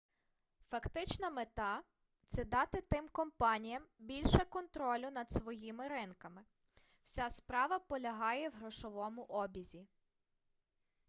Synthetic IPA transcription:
fɐkt̪ɪt͡ʃnɐmet̪ɑ | t̪sɛd̪ɑt̪ɪt̪ɪmkɔmpɑnʲijɐmbʲilʲʃɛkɔnt̪ɾɔlʲʊnɐd̪sʋɔjimɪɾɪnkɐmɪ | wsʲaspɾɑʋɐpɔlʲɐɦɑjɛwɦɾɔʃɔʋɔmʊʔɔbʲizʲi

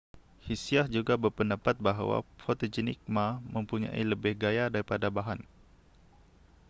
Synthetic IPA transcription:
hisiahd͡ʒuɡabərpəndapat̪̚baɦawa̰fot̪od͡ʒinḭk̚mamə̃mpuɲã̰ḭləbɪhɡajadaɾipadabaɦan

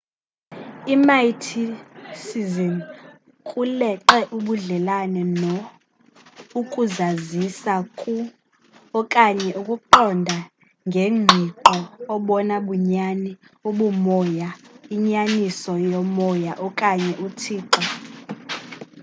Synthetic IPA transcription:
imajtʰisizin | kʼulɛǃɛʔuɓuɮɛlanɛnɔ | ukʼuzazisakʼu | ɔkʼaɲɛʔukʼuǃɔndʱa | ŋɡʱeŋ͡ǃʱiǃɔːɓɔnaɓuɲani | uɓumɔjaiɲanisɔjɔmɔjaʔɔkʼaɲɛʔutʰiːǃa

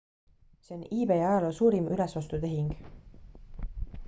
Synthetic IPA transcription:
seoniːbe̞jɑɑjɑlosuːɾimʔylesost̪ut̪e̞ɦiŋɡ̥

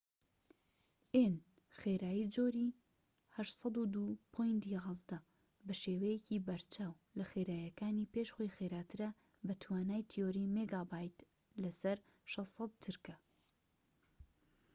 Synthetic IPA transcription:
ʔen | xeɾaːjid͡ʒoːɾi | hɐʃsˤɑd̪ud̪upʰojnd̪iʁɑzd̪ɐ | bɐʃeːwɐjecibɐɾt͡ʃʰaːw | lɐxeːɾaːjɐkaːniːpeʃxo̞jxeɾaːt̪ʰɨɾɐ | bɐt̪ʰwaːnaːjt̪ʰijoɾiːmeɡabaːjt̪ | lɐsɐɾ | ʃɑssˤɑt̪̚d͡ʒɨɾkɐ

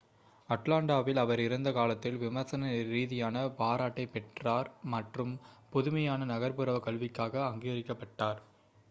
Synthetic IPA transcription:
ɐʈlaːɳɖaːʋɪlɐʋɐɾɪɾɯnd̪ɐkaːlɐt̪ːɪlʋɪmɐɾsɐnɐɾiːðɪjaːnɐpaːɾaːʈːɐɪpːɛʈraːɾmɐʈrɯmpɔðʊmɐjaːnɐnɐɣɐɾpɯɾɐʋɐkɐɭʋɪkːaːɣɐːŋɡɪɣɐɾɪkːɐpːɐʈːaːɾ

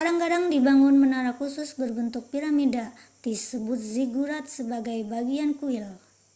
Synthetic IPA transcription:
kadaŋkadaŋdibaŋʊnmənaɾakusʊsbərbənt̪ʊk̚piɾamida | d̪isəbʊt̪̚ziɡuɾat̪̚səbaɡajbaɡiankuɪl

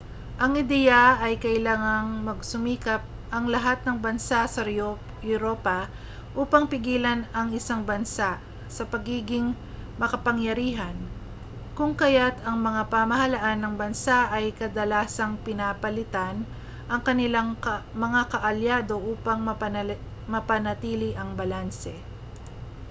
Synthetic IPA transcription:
ʔɐŋɪd̪ɛjɐɐjkɐʔɪlaːŋɐŋmɐɡsʊmiːkɐp̚ | ʔɐŋlɐɦat̪̚nɐŋbɐnsasɐ | jʊɾoːpɐ | ʔuːpɐŋpɪɡiːlɐnɐŋɪsaŋbɐnsaʔ | sɐpɐɡiːɡɪŋ | mɐkɐpɐŋjɐɾiːɦɐn | kʊŋkɐjat̪ɐŋmɐŋapɐmɐhɐlaʔanːɐŋbɐnsaʔɐjkɐd̪ɐlaːsɐŋpɪnaːpɐlɪt̪an | ʔɐŋkɐnɪlaŋmɐŋakɐʔɐljaːd̪o̞ʔuːpɐŋm | mɐpɐnɐt̪iːlɪʔɐŋbɐlansɛ

